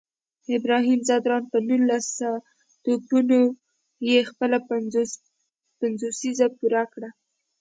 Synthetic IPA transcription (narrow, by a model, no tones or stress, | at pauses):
ɪbɾɑɦimzɑd̪ɾɑnpənunːasa | t̪opuno | jexpəla | panzosizapuɾakɽa